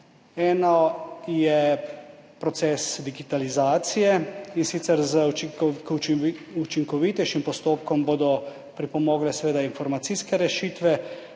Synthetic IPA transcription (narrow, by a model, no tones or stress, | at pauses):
ɛːnɔjɛ | pɾɔt̪sɛːsd̪iɡit̪alizaːt̪sijɛinsit̪sɛɾzəkut͡ʃiŋkɔʋit̪ɛjʃimpɔst̪oːpkɔmboːd̪ɔ | pɾipɔmoːɡlɛsɛʋeːd̪ainfɔɾmat̪siːskɛɾɛʃiːt̪ʋɛ